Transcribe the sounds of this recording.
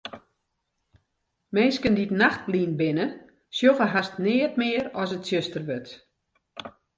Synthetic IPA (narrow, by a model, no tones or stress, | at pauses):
menskənditnaxt̚liːnbɪnə | sjofəɦastnɪːətmɪəɾɔsətsjøstərbøt